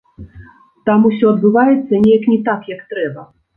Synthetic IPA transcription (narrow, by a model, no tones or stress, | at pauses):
t̪amusʲɔɐd̪bɨvajɛt̪sːɐnʲejɐknʲɛt̪akjɐkt̪ɾɛbɐ